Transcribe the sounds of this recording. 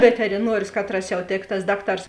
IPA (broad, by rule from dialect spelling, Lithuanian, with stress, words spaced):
ʋʲɛtʲɛrʲɪˈnuɔrʲʊs ˈkɑːtrɐs jɛʊ ˈtʲeːk tɐs ˈdɑːkˌtɐrs